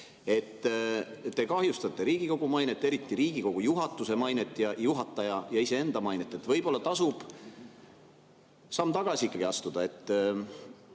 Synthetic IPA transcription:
e̞t̪ː | e̞kɑɦjust̪ɑt̪ːˑe̞ɾiːɡ̥iko̞ɡ̥umɑjne̞t̪ːˑe̞ɾit̪ːˑiɾiːɡ̥iko̞ɡ̥ujuɦɑt̪ːˑuse̞mɑjnet̪ːˑjɑjuɦɑt̪ˑːɑjɑjɑise̞e̞nd̪̥ɑmɑjnet̪ːˑet̪ːˑvɤjb̥o̞lːɑt̪ɑsub̥ | sɑːmːt̪ɑɡ̥ɑsʲiikːˑɑɡ̥iɑst̪ud̪̥ɑe̞t̪ː

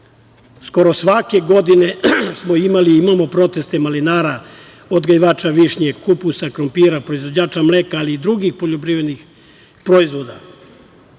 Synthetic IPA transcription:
sko̞ɾo̞sʋake̞ɡo̞d̪ine̞smoimaliimamo̞pɾo̞t̪e̞st̪emalinaːɾa | od̪ɡaiʋaːt͡ʃaʋiʃɲeɡkupusakɾompiɾapɾoizʋod͡ʑaːt͡ʃamleːkaːliːd̪ɾuɡixpo̞ʎopɾiʋed̪nix | pɾoizʋo̞d̪a

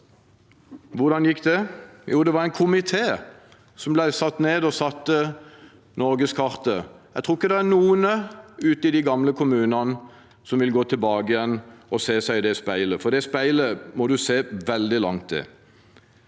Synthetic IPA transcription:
ʋʊʁd̪ɑnjɪkːd̪ɛjuːd̪ɛʋɑʁæɪnkʰʊmɪt̪ʰeː | sɔmblæɪsɑt̪ːneːd̪ɔsɑt̪ːə | nɔɾɡəskʰɑʁt̪əjæɡt̪ʰʁʊːɪkːəd̪ɛænuːənəʉːt̪əɪd̪ɪɡɑmləkʰʊmʉːnɑnə | sɔmʋɪlɡoːt̪ʰɪlbɑːɡəɪjɛnːɔseːsæɪd̪ɛspæɪləfɔd̪ɛspæɪləmɔd̪ʉseːʋɛld̪ɪlɑ̰ŋt̪̚d̪ɛ̰

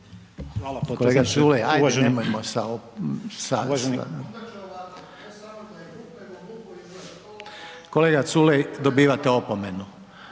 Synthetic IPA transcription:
alkoleɡasulejajd̪emojmosaosa̰ | koleːɡat̪sulejd̪obiːʋat̪eopomenu

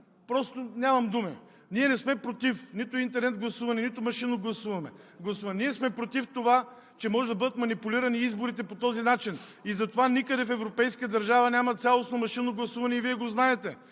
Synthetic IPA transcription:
pɾɔst̪onʲamɐmd̪umi | niɛnɛsmɛpɾot̪ifnit̪ʊint̪ɛɾnɛt̪̚ɡlˠɐsuvɐnɛnit̪ʊmɐʃinoɡlˠɐsuvɐmɛ̰ | ɡlˠɐsuvɐnniɛsmɛpɾot̪ift̪ova | t͡ʃɛmɔʒɛd̪ɐbɤd̪ət̪mɐnipuliɾɐniizboɾit̪ɛpot̪ɔzinat͡ʃinizɐt̪ovanikəd̪ɛfɛvɾopɛjskəd̪ɐɾʒavɐnʲamɐt̪sʲalˠosnomɐʃinoɡlˠɐsuvɐnɛiviɛɡoznaɛt̪ɛ

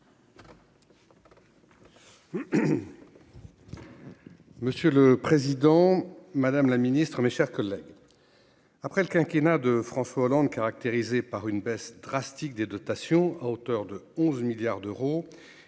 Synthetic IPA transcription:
məsjøləpχezid̪ɑ̃mad̪amlaminist̪χəmeʃɛʁkɔlːɛɡ | apχɛləkʲɛ̃kʲenad̪əfχɑ̃swaolɑ̃d̪kaʁak̚t̪eʁizepaʁynbɛsd̪̥ʁast̪ik̚d̪ed̪ɔt̪asjɔ̃aot̪œʁd̪əɔ̃zmiljaʁd̪øʁo

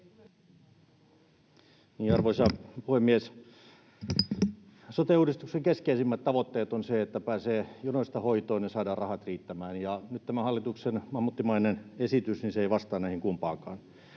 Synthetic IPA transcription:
niːɑrʋoisɑpuhemːies | sot̪euːdist̪ukseŋkeskeisimːæt̪t̪ɑʋot̪ːeːt̪onseet̪ːæpæːseːjonoist̪ɑhoit̪oːnjɑsɑːdɑːrrɑhɑt̪riːt̪ːæmæːnjɑnyt̪t̪æmæhɑlːit̪uksenmɑmːut̪ːimɑinenesit̪ysniseeiʋɑst̪ɑːnæihiŋkumpɑːkɑːn

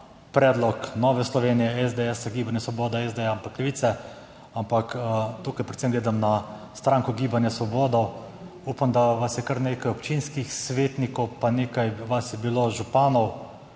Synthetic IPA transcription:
pɾɛːd̪lɔknɔːʋɛslɔʋeːnijɛɛzd̪ɛɛsaɡiːbanjɛsʋɔbɔːd̪ɛɛzd̪eampakːlɛʋiːt̪sɛ | ampakt̪uːkajpɾɛt̪semɡleːd̪amnast̪ɾaːŋkɔɡiːbanjasʋɔboːd̪ɔw | uːpamd̪aʋasjɛkaɾneːkajɔpt͡ʃinskixsʋeːt̪nikɔwpaneːkajʋasjɛbiloʒupaːnɔw

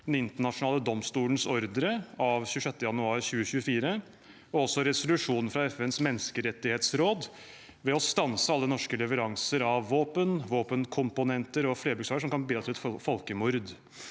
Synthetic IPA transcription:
d̪ɛnɪnt̪əɳɑʂʊnɑːləd̪ɔmst̪uːlən̩sɔɾd̪ɾəɑʋçʉːʂɛt̪ːəjɑnʉɑːɾçʉːəɕʉːəfiːɾə | ɔɔsːɔɾɛsʊlʉʂuːnn̩fɾɑɛfɛnsmɛnːskəɾɛt̪ːɪheːt̪sɾoːd̪ | ʋɛɔst̪ɑnsəɑlːənɔʂkəlɛʋəɾɑŋsəɾɑʋːoːpənʋoːpənkʰʊmpʊnɛnt̪əɾɔfleːɾbʉɡksɑːɡəʂ̬ɔmkɑnbiːɑt̪ʰɪlɛt̪fɔlkəmʊɾd̪

